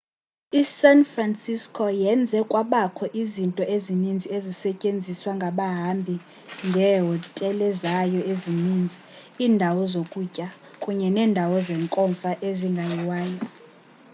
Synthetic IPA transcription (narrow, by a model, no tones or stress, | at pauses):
isanfransiskʰʼɔjɛnd͡zʱɛkʼwaɓakʰɔʔizintʼɔʔezinind͡zʱiezisɛcʼend͡zʱiswaŋɡʱaɓaɦambʱi | ŋɡʱɛɦɔtʼɛlɛzajɔeziniːnd͡zʱi | iːndʱawɔzokʼucʼa | kʼuɲɛnɛːndʱawɔzɛŋkʼɔɱfaʔeziŋɡʱajiwaːjɔ